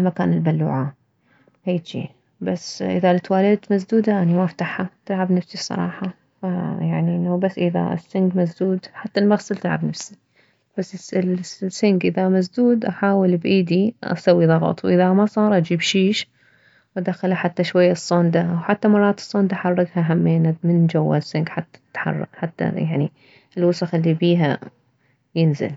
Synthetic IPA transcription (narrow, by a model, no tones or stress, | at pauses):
lmakaːnɪlbalːṵːʕa | heːd͡ʒḭː | basʔɪðalɪt̪waːlɪd̪t̪mas̬d̪uːd̪aʔanimaʔft̪aħːat̪ɪlʕabnafsisˤɑ̰ɾˤɑ̰ːħɑ | fajaʕniʔɪnːhbasːʔɪða̰ɪ̰sːɪŋɡmas̬d̪uːd̪ħat̪ːalmaɣsɨlt̪ɪlʕa̰bnafsi̥ | b̥asːɪsɪlsːɪŋɡʔɪðamas̬d̪uːd̪ʔaħaːwɪlbʔiːd̪iʔa̰sawːiðˤɑɣɑ̰t̪ˤwʔɪðamasˤɑːɾˤʔad͡ʒiːbʃiːʃ | wɪd̪axalaħat̪ːaʃwajːasˤːɑnd̪awħat̪ːamɑrˤːɑːt̪ɨ̥sˤːɑnd̪aʔaħɑrˤːɑɡhaɦamːeːnamɪnd͡ʒawːa̰lɪsːɪŋɡħat̪ːḁɪ̥t̪ħɑ̰rˤːɑ̰ɡħat̪ːa̰jaʕni | ɪlwʊsɑxɪlːibiːɦa̰ | jɪnzɪ̰l